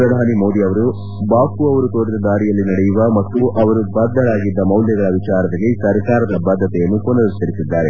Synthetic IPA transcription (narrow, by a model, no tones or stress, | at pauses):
pɾɐd̪ʱaːnimo̞ːd̪iɐʋɐɾu | baːkuɐʋɐɾut̪o̞ːɽid̪ɐd̪aːɾijɐlːinɐɽɛjuʋɐmɐt̪ːuʔɐʋɐɾubɐd̪ːɐɭaːɡid̪ːɐmɐwljɐɡɐɭɐʋit͡ʃaːɾɐd̪ɐɡisɐɾkaːɾɐd̪ɐbɐd̪ʱːɐt̪ɛjɐnːukonɐɾɐt̪ːɐɾisid̪ːaːɾe